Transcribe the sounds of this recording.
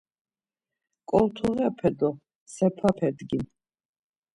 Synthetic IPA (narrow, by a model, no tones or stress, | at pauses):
kʼɔlt̪ʰuʁɛapʰɛd̪ɔ | sɛpʰapʰɛd̪ɡin